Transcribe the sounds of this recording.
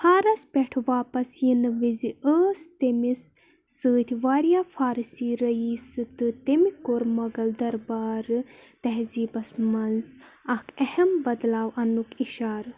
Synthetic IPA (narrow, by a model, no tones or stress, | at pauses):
haːɾɐspʲɛʈʰʋaːpɐsjinɨʋiziəːst̪emisː | ɨːt̪ʰʲiʋaːɾijaːfʰaːɾsiːɾɐiːsɨt̪ɨt̪emikoɾmɐɡɐld̪ɐɾbaːɾɨt̪ɐɦziːbɐsmɐnz | ɐkɐhɐmbɐd̪laːwʔɐnːukiʃaːɾ